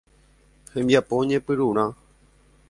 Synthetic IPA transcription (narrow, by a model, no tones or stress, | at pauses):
hẽmbjapoɲẽpɨɾuɾ̃ã